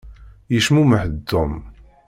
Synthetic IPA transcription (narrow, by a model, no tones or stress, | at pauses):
jəʃmuməħəd̪ːʊm